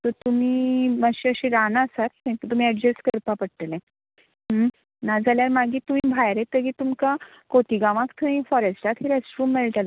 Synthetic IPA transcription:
t̪əɾt̪um̤iːəɕiəɕĩɾanasat̪ẽt̪ət̪um̤iɛɖd͡ʑeskəɾpapəɽʈ̪əlɛ̃ | ə | nad͡zaljaɾmaɡit̪umĩbʱajɾẽt̪ːəkit̪umka | koʈiɡaʋãkt̪ʰəĩfɔɾesʈat̪ʰɦiɾesʈɾumːeɭʈ̪al

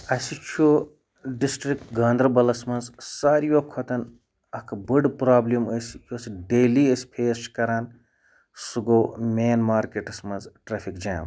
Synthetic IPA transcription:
ɐsit͡ʃʰuː | ɖisʈɾik̚ʈɡaːnd̪ɾɐbɐlɐsmɐnzsaːɾijokʰot̪ɐn | ɐkʰbɨɖpɾaːbliməsijosiɖeːliəsʲpʰeːsʈkɐɾaːn | suɡoːmʲeːnmaːɾkeʈɐsmɐnzʈɾɐːpʰikd͡ʒaːm

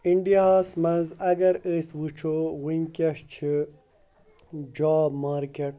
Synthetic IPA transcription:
iɳɖiaːsmɐnzɐɡɐɾəswut͡ʃʰowinkɐʂt͡ɕʰi | d͡ʑaːbmaːɾkeʈ̚

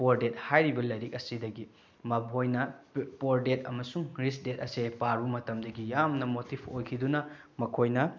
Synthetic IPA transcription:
poɾdet̚hajɾibɐlɐjɾik̚ɐsidɐɡi | mɐbojnɐpoɾdet̚ɐmɐsuŋɾisdet̚ɐsepaɾumɐtɐmdɐɡijamnɐmotipʰojkʰidunɐ | mɐkʰojnɐ

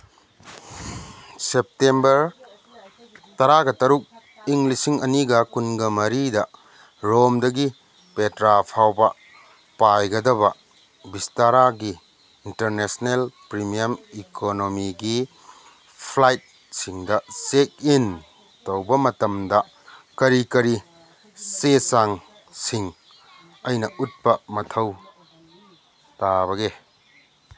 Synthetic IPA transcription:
sep̚tembɐɾ | tɐɾaɡɐtɐɾuk̚ | iŋlisiŋɐniɡɐkunɡɐmɐɾidɐ | ɾomdɐɡi | petɾapʰawbɐ | pajɡɐdɐbɐ | bistaɾaɡiː | ntɐɾnesnelpɾimijɐmikʰonomiɡi | pʰlajt̚ | siŋdɐsek̚in | towbɐmɐtɐmdɐ | kɐɾikɐɾi | sesaŋ | siŋ | ɐjnɐʔut̚pɐmɐtʰɐw | tabɐɡe

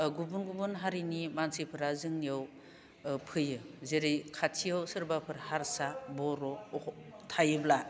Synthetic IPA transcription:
ɡubunɡubunɦaɾinimansipʰɯɾazɯŋniaw | pʰɯjɯzeɾijkʰatʰijawsɯɾbapʰɯɾhaɾsabɔɾɔ | tʰajɯbla

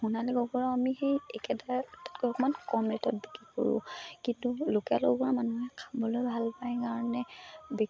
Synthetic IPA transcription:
xunalɛɡɔɡɔɹɔamixejɛkɛdaɹtḁtkɔɔkɔmankɔmletɔt̚bikɹiko̰ɹṵ̃kintulokɛlɔɡɔamanuɦɛkʰabɔlojbʱalpajkaɹɔnɛbi

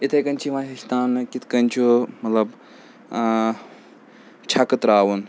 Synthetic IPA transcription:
it̪ʰɐjkɐnʲt͡ʃʰiʋãːɦiʃt̪aːnɨkit̪ʰkɐnʲt͡ʃʰumɐt̪lɐb | t͡ʃʰɐkɨt̪ɾaːwun

